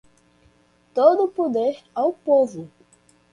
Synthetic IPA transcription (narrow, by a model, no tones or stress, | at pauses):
t̪od̪ʊpod̪eɾawpovʊ